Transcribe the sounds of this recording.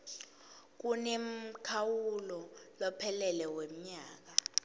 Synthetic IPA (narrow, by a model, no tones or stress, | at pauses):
k̬unem̩kʰawulɔlɔpʰɛlɛlɛwem̩ɲaːk̬a